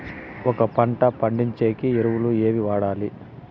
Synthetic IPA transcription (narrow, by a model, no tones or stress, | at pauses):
ɔkɐpɐɳʈɐpɐɳɖiɲt͡ʃeːkieɾuwulue̞ːʋiʋaːɽaːli